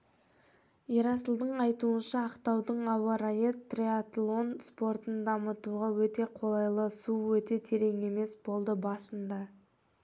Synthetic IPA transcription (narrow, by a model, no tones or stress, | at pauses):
iɾɑsəlˠd̪əɴɑjt̪uənʃɑːqt̪ɑwd̪əɴɑwɑɾajet̪ːrʲiat̪lˠo̞nspo̞ɾt̪ənd̪ɑmət̪uʁɑwɵt̪e̞qʰo̞lˠɑjlˠəsuwɵt̪e̞t̪ʰe̞ɾe̞ŋe̞me̞sbo̞lˠd̪əbɑsənd̪ɑ